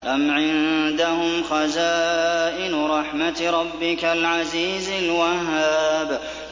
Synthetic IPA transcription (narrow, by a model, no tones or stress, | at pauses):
ʔamʕɪnd̪ahʊmxazaːʔɪnɾˤɑħmat̪ɾˤɑbːɪkalʕaziːzalwahːaːb